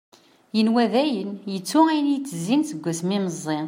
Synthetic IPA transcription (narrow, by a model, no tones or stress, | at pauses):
jənwæðæjənjət͡sːʊæjənjit͡sːəzːinθəɡʷːæsmiməzˤːe